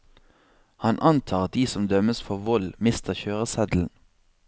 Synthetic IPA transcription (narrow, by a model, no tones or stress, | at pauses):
hɑnʔɑnt̪ʰɑːʁɑd̪iːsɔmd̪œməsfɔʁʋɔlmɪst̪əʁçøːʁəsɛd̪l̩n̩